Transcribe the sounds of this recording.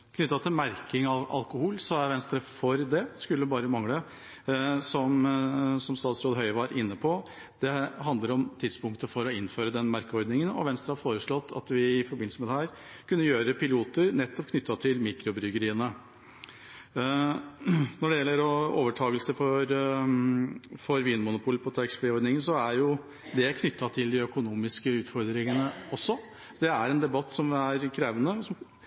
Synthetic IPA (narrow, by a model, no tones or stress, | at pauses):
kʰnʏt̪ːɑt̪ʰɪlmæɾkɪŋɑʔɑ̰lkʊhuːlsɔæɾʋɛnst̪ɾəfɔɾd̪ɛskʉlːəbɑːɾəmɑŋlə | sɔmsɔmst̪ɑːt̪sɾoːd̪ɦœʏəʋɑɾɪnːəpʰɔ | d̪̥ɛɦɑnd̪ləɾɔmt̪ʰɪd̪spʊŋkt̪əfɔɾɔɪnːføːɾəd̪ɛnːmæɾkəɔɾd̪nɪŋənɔ̰ʋɛnst̪ɾəhɑfoːɾəʂɭɔt̪ʰːɑ̰t̪ʋɪɪfɔɾbɪnl̩səmɛd̪ɛhæːɾ | kʉnːəjøːɾəpɪluːt̪əɾnɛt̪ːɔp̚kʰnʏt̪ːɑt̪ʰɪlmiːkɾʊbɾʏɡəɾiːənə | nɔɖɛjɛlːəɾɔoːʋəʈʰɑːɡəlsəfɔɾ | fɔɾʋiːnmʊnʊpʰuːlpʰɔt̪ʰɑɪksfeːɔɾd̪nɪŋənsɔæɾjʊ | d̪ɛkʰnʏt̪ːɑt̪ʰɪld̪ɪœkʊnuːmɪskəʉːt̪fɔɾd̪ɾɪŋənəɔsːɔ | d̪ɛæɾɛnd̪ɛbɑt̪ːsɔmæɾkʰɾeːʋənəsɔm